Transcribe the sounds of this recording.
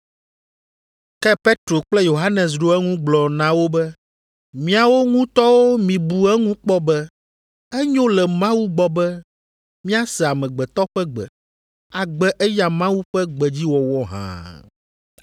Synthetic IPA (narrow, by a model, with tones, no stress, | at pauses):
kɛ˦pe˦t̪ɾo˨k͡plɛ˦jo˨ɦa˦nɛ˨s̬ɖo˦ɛ˦ŋũ˦ɡ͡blɔ˨nã˨wo˦bɛ˦ | mĩ˦a˨wo˦ŋũ˦t̪ɔ˦wo˦mĩ˨bu˨ɛ˦ŋũ˦k͡pɔ˦bɛ˦ | ɛ˦ɲõ˦lɛ˨mã˦wu˦ɡ͡bɔ˨bɛ˦ | mĩ˦a˦sɛ˨a˨mɛ̃˨ɡ͡bɛ˨t̪ɔ˦ɸɛ˦ɡ͡bɛ̰˨ | a˨ɡ͡bɛ˦ʔɛ˦ja˨mã˦wu˦ɸɛ˦ɡ͡bɛ˨d͡ʑi˦wɔ˨wɔ˦ɦã̰˨